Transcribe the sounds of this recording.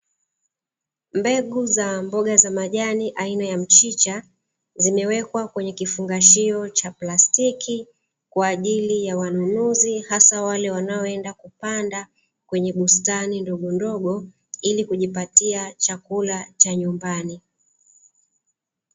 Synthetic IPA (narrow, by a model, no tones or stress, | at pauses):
mbɛɠuzambɔɠazamaʄaniʔainajam̩t͡ʃit͡ʃa | zimɛwɛkwakwɛɲɛkifuŋɡaʃiɔt͡ʃaplastiki | kwaːʄilijawanunuzihasawalɛwanaɔɛndakupanda | kwɛɲɛɓustanindɔɠɔndɔɠɔ | ilikuʄipatiat͡ʃakulat͡ʃaɲumbani